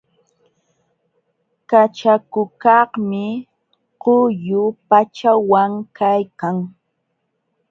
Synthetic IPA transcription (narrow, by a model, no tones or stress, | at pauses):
kat͡ʃakʊkɑhmɪ | qʊjʊpat͡ʃawaŋkajkaŋ